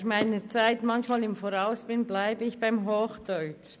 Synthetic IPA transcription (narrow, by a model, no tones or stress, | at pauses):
xmaɪnət͡saɪtmɑnçmɑːlɪmfoɾaʊsb̥ɪnblaɪbəɪçb̥aɪmɦoːxd̥ɔʏt͡ʃ